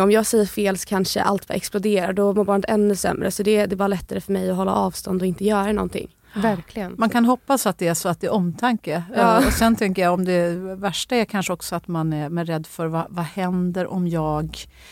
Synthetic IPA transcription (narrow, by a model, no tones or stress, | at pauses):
ɔmjɑːɡsɛjːəɾfeːlsɔ̥kʰanʂə̰ʔa̰lt̪va̰ʔɛ̰ksplʊd̪eːɾaɖɔmʊɾbɑːɳət̪ɛnːɵsɛ̰mːɾə̰sɔd̪ɛd̪ɛbɑːɾalɛt̪ːaɾəfœɾmɛjɔɦɔlːa̰ʔɑːvst̪ɔnd̪ɔɪnt̪əjœːɾanɔ̰nt̪ʰɪ̰ŋː | væɾkʰlɪɡənmankʰanɦɔpːasat̪̚d̪ɛæʂɔat̪̚d̪ɛʔɔmt̪ʰaŋkəːɔsɛnt̪ʰɛŋkəjaɔmd̪ɛvæʂʈaæɾkʰanʂəɔksɔat̪manæɛɾɛd̪ːfœɾvavahɛnd̪əɾʔɔmjɑːɡ